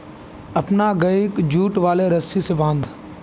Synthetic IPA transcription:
ɐpnaɡɐikd͡ʒuːʈʋaːleɾɐsisebãːnd̪

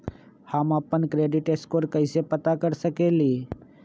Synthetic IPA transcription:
hamaːpənkɾeɖiʈeskoːɾkəɪsepət̪akəɾsəkeliː

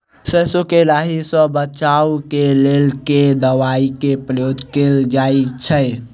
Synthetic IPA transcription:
səsokeɾaɦisə̃bət͡ʃaukelelked̪əʋaikepɾəjod̪ʱkeld͡ʒaet͡ʃʰəj

